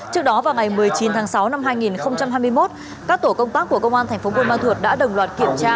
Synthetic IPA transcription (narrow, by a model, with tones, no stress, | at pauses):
t͡ɕɨ˦˥ək̚ɗɔ˨˦vaː˨˩wŋa˨˩jmɨ˨˩əjt͡ɕi˨˦nt̪ʰaː˨˦ŋsa˨˦wna˧mɦaː˧jŋi˨˩nxə˧wŋ͡mt͡ɕa˧mɦaː˧jmɨ˧jmo˦˥t̚ | kaː˦˥k̚t̪o˧˩kə˧wŋ͡mt̪aː˦˥k̚ːu˧˩əkə˧wŋ͡mʔaː˧t̪ʰa˨˩ŋ̟fo˨˦kwnmaː˧nt̪ʰu˨˩t̚ɗa̰ː˧˥ɗə˨˩wŋ͡mlwaː˨˩t̚ki˧˩əmt͡ɕaː˧